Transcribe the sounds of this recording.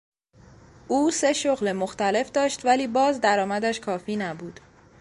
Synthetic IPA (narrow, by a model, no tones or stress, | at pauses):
ʔuːse̞ʃoɣlemoxt̪æle̞fd̪ɒːʃt̪væliːbɒːzd̪æɾɒːmæd̪æʃkʰɒːfiːnæbuːd̪̥